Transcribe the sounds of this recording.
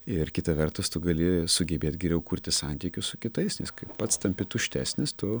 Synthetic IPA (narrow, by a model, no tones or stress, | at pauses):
ɪrkʲɪt̪ɐʋʲɛrt̪ʊst̪ʊɡɐlʲɪsʊɡʲɛbʲeːt̪ɡʲɛɾʲɛʊkuːɾʲt̪ʲɪsɑnʲt̪ʲiːkʲʊssʊkʲɪt̪ɐɪsnʲɪskɐɪppɐt̪st̪ɐmʲpʲɪt̪ʊʃʲt̪ʲæ̰ːsʲnʲɪst̪ʊ